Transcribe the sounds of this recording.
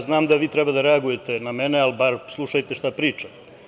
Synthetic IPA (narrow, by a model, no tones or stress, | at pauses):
znaːmd̪aʋiːt̪ɾebad̪aɾe̞aɡuje̞t̪e̞name̞nealbaɾslˠuʃajt̪e̞ʃt̪apɾiːt͡ʃa